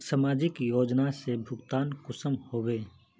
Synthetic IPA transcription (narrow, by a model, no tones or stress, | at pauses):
samaːd͡ʒɪkjoːd͡ʒnasebʱʊɡt̪aːnkʊsəmhoːweː